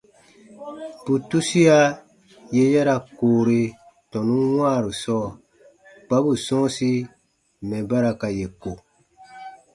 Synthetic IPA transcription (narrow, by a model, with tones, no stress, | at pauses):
pu˨tu˦si˦a˦ | je˦jɛ˦ɾa˧koː˨ɾe˧ | tɔ̃˨nũ˦wãː˦˨ɾu˨sɔː˦˨ | k͡pa˦bu˨sɔ̃˦si˦˨ | mɛ̃˨ba˦ɾa˧ka˨je˨ko˨